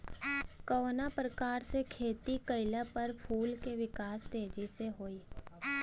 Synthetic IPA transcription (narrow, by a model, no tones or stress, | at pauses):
kɔonapɾəkaːɾsekʰeːt̪ikəɪlapəɾpʰuːlkeʋɪkaːst̪eːd͡ʒiseɦoːiː